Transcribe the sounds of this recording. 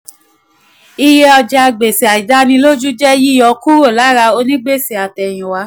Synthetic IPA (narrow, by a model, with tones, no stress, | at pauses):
i˧je˦ɔ˧d͡ʒa˧˨ɡ͡be˨si˨a˨i˨da˦nĩ˧lo˦d͡ʒu˦d͡ʒɛ˦ji˦ɔ˧ku˦o˦˨la˨˦ɾa˧o˧nĩ˦ɡ͡be˦˨si˨a˨tɛ˨j̃ĩ˨wa˧˦